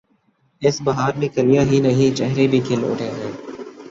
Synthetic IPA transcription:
ɪsbɐɦaːɾmẽkɐlijaɦĩnɐɦĩt͡ʃɛɦɾebʱikʰelo̰ːʈeːɦɛ̃ː

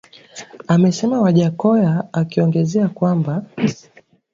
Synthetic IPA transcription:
amɛsɛmawaʄakɔjaakiɔŋɡɛzɛakwamba

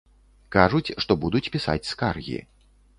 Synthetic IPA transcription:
kaʐut͡sʲʂt̪ɔbud̪ut͡sʲpʲisa̰t͡sʲskarɣʲḭ

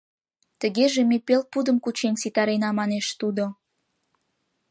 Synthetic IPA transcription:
t̪əɣeʒemepel̚pud̪əmkut͡ɕensit̪ɑɾenɑmɑneʃt̪ud̪o

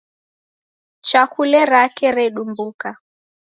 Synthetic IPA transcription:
t͡ʃakulɛɾakɛɾɛɗumbuka

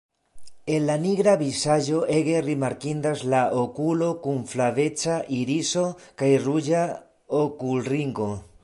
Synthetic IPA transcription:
e̞nlaniɡɾabisad͡ʒo̞ʔe̞ɡe̞rimaɾkind̪azlaʔokulo̞kunflave̞t͡saʔiɾiso̞kajrud͡ʒa | okulriŋɡo̞

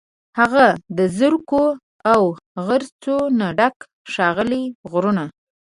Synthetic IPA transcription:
haɣad̪əzəɾko | awɣəɾt͡sonaɖak | ʃɑɣəliɣɾuna

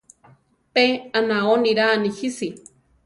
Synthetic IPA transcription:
peanaoniɾaːnihisi

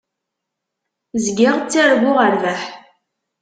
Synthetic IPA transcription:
zɡɪʁt͡sːaɾɡʷʊʁəɾvæħ

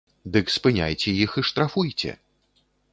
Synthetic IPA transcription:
d̪ɨkspɨnʲa̰jt͡sʲɛjixiʂt̪ɾafujt͡sʲɛ̰

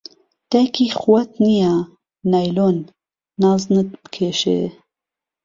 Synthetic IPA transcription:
t̪ɛkixwɐt̪̚nija | najlonː | ɑːznɨt̪̚bɨ̥kʰeːʃḛ

